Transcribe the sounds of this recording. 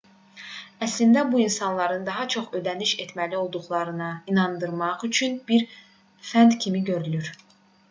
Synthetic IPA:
æslind̪æbuinsɑnlˠɑɾɯnd̪ɑɦɑt͡ʃʰo̞χø̞d̪æniʃet̪ʰmælio̞lˠd̪uχlˠɑɾɯnɯinɑnd̪ɯɾmɑʁyt͡ʃʰynbiɾ | fænd̪cʰimiɟø̞ɾylyɾ

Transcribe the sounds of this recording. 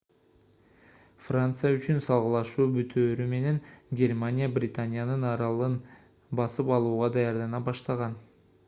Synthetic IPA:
frant̪sɨjayt͡ʃynsɑlˠʁɯlˠɑʃuːbyt̪ʰøːɾyme̞ne̞ŋɡʲe̞rmanʲijabrʲɪt̪anʲijanɯnɑɾɑlˠɯn | bɑsɯpɑlˠuːʁɑd̪ɑjɑɾd̪ɑnɑbɑʃt̪ɑʁɑn

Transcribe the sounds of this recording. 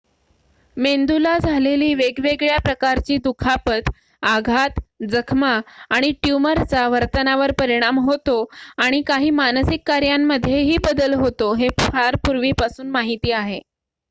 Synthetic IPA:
mend̪ulad͡zʱaleliːʋeɡʋeɡɭjapɾəkaɾt͡ɕiːd̪ukʰapət̪ | aɡʱat̪d͡zəkʰmaːɽ̃iʈjuməɾt͡saʋəɾt̪ənaʋəɾpəɾiɽ̃amɦot̪oaɽ̃ikaɦiːmansikːaɾjamːəd̪ʱjeɦiːbəd̪əlɦot̪oɦepʰaɾpuɾʋiːpasuːnmaɦit̪iːaɦe

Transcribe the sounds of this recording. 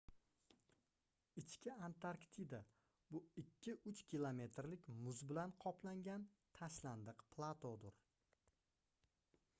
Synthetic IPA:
ɪt͡ʃkʲɪant̪ʰaɾkt̪ʰid̪a | bʊɪkʲʰːɪʔʊt͡ʃkʲilˠome̞t̪ʰɾlɪkʲmʊzbɪlanqʰɒplaŋɡʲan | t̪ʰaʃland̪ɨqpʰlˠat̪ʰod̪ɪɾ

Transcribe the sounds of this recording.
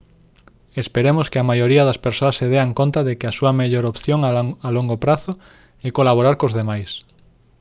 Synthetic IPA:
espeɾemoskeamajoɾiɐðɐspeɾsoɐsːeðeaŋkont̪aðekɪasuɐmeʎoɾopθjoŋaaloŋɡopɾaθo | ekolaβoɾaɾkozðemajs

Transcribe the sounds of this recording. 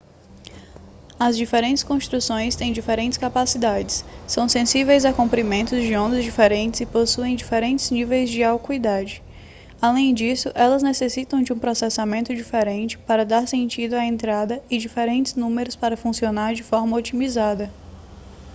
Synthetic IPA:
ɐzd͡ʒifeɾẽnt͡ʃ̪ɪ̥skõsʃt̪ɾusõj̃st̪ẽj̃d͡ʒifeɾẽnt͡ʃɪskapasid̪ad͡ʒɪsːɐ̃w̃sẽsivejzɐkõmpɾimẽnt̪ʊzd͡ʒɪõnd̪ɐzd͡ʒifeɾẽnt͡ʃɪzɪposuẽj̃d͡ʒifeɾẽnt͡ʃɪ̥znivejzd͡ʒɪawkuid̪ad͡ʒɪ | alẽj̃d͡ʒisʊʔɛlɐznesesit̪ɐ̃w̃d͡ʒɪũpɾosɛsamẽnt̪ʊd͡ʒifeɾẽnt͡ʃɪ̥paɾɐd̪aɾsẽnt͡ʃid̪ʊaẽnt̪ɾad̪ɐɪd͡ʒifeɾẽnt͡ʃɪznũmeɾʊspaɾɐfũsionaɾd͡ʒɪfɔɾmɐot͡ʃimizad̪ɐ

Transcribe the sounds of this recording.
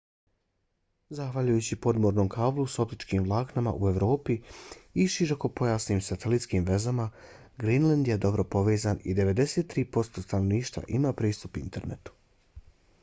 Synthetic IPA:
zaxʋaʎujut͡ɕipo̞d̪mo̞ɾno̞mkʰaːblˠuso̞pt̪it͡ʃkiːmʋlˠaːknama̰ʔue̞ʋɾo̞ːpiiʃiɾoko̞po̞jaːsniːmsat̪elit̪skiːmʋe̞zama | ɡɾinland̪jed̪o̞bɾo̞po̞ʋe̞ːzanḭd̪e̞ʋe̞d̪e̞set̪ːɾiːpo̞st̪o̞ːst̪ano̞ʋniːʃt̪va̰ʔimaːpɾiːst̪upint̪e̞ɾnḛt̪u̥

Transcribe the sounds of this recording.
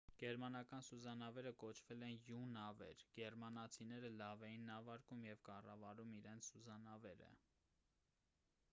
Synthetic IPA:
ɡ̥ɛɾmɑnɑkɑnsuzɑnɑvɛɾəkɔt͡ʃʰvɛlɛnjunɑvɛ̰ɾɡ̥ɛɾmɑnɑt͡sʰinɛɾəlɑvɛjinːɑvɑɾkumjɛvkɑrɑvɑɾumiɾɛnt͡sʰsuzɑnɑvɛɾə̰

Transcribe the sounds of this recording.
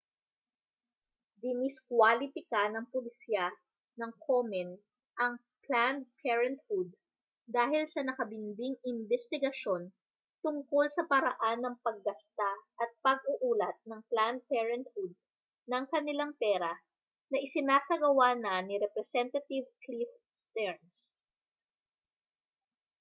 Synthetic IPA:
d̪ɪnɪskwalɪpɪkanɐŋpʊlɪsja | nɐŋkʰomɛn | ʔɐŋ | pland̪̚pʰɛɹɛnt̪̚hud̪̚ː | aːɦɪlsɐnɐkɐbɪnb̪ɪŋɪnbɛst̪ɪɡɐʃo̞n | t̪ʊŋko̞lsɐpɐɾɐʔanːɐŋpɐɡ̚ːɐst̪aʔɐt̪̚pɐɡ̚ʔʊʔuːlɐt̪̚nɐŋpland̪̚pɛɹɛnt̪hud̪̚ | nɐŋkɐnɪlaŋpɛːɾɐ | nɐʔɪsɪnaːsɐɡɐwanɐniɾɛpɾɛsɛnt̪ɐt̪ivklif | st̪ɛɹns

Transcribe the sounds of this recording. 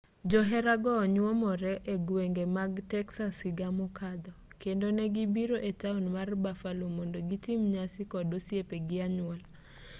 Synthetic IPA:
d͡ʒɔɦɛɾaɡɔɲwɔmɔɾɛʔeɡweŋɡemaɡtɛksasɪɡamokʰad̪ɔ | kendonɛɡibiɾoʔetaonmarbafalomondoɡitimɲasɪkɔdosjepeɡɪaɲʊal

